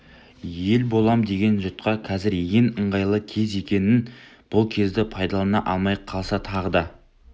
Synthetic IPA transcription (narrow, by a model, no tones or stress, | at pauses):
je̞lbo̞lˠɑmd̪e̞ɡʲe̞nʒʊt̪̚qɑqʰɑzɪɾjeŋəɴʁɑjlˠəkʲʰe̞ze̞kʲe̞nɪnb̥ʊlˠkʲʰe̞zd̪ɪpʰɑjd̪ɑlˠɑnɑʔɑlˠmɑjqʰɑlˠsɑt̪ʰɑʁəd̪ɑ